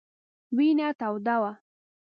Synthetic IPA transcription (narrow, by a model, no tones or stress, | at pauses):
winat̪awd̪awa